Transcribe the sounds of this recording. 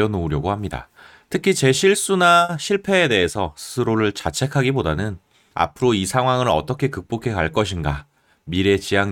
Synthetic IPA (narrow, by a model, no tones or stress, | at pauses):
ʌnouɾjʌɡohamɲida̰ | tʰɯkʰit͡ɕe̞ɕʰiɭs͈unaɕʰiɭpʰe̞ːde̞ɦesʰʌsʰɯ̥sʰɯɾoɾɯɭt͡ɕat͡ɕʰe̞kʰaɡibodanɯn | a̰pʰɯɾoisʰaŋwaŋɯɾʌ̰t͈ʌkʰe̞kɯk̚p͈okʰe̞kaɭk͈ʌɕ̬ʰinɡa | miɾe̞t͡ɕijaŋ